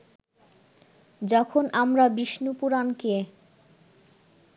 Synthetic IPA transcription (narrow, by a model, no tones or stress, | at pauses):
d͡ʑɔkʰonʔamɾabiʃnupuɾanke